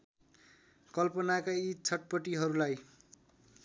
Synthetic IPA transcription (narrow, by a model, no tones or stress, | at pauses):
kʌlpʌnakait͡sʰʌʈ̚pʌʈiɦʌɾulaj